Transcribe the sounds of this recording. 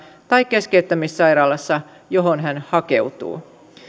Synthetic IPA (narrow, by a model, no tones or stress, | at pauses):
t̪ɑjkːe̞skeyt̪ːæmissɑjɾɑːlɑsːɑ | jo̞ɦonɦænhɑke̞̰wt̪ṵː